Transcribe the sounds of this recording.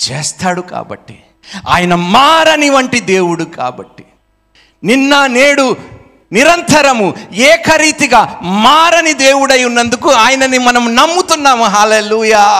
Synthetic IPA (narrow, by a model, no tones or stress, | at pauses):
t͡ʃeːst̪aːɽuka̰ːbɐ̰ʈːi | a̰ːjɐnɐmaːɾɐniʋɐɳʈid̪eːwuɽuka̰ːbɐʈːi̥ | ninːɐneːɽu | niɾɐnt̪ʰɐɾɐmuɛːkɐɾiːt̪iɡɐmaːɾɐnid̪eːwuɽɐjːunːɐnd̪ukuaːjɐnɐnimɐnɐmunɐmːut̪unːaːmuɦaːleːluːjaː